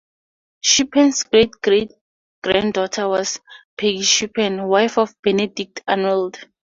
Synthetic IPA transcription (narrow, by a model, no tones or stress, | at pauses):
ʃipʰɛ̃nsɡɹet̚ɡɹet̚ | ɡ̥ɹãndɔtʰawɔspʰeɡiʃipʰɛ̃nwajfɔfb̥ɛnedik̚tʰãnɔld